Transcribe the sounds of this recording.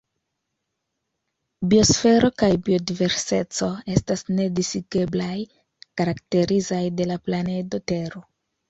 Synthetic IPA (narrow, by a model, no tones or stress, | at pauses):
bio̞sfe̞ɾʔo̞kajbio̞dive̞ɾse̞t͡so̞e̞stasne̞disiɡe̞blaj | kaɾakte̞ɾizajde̞laplane̞do̞te̞ɾo̞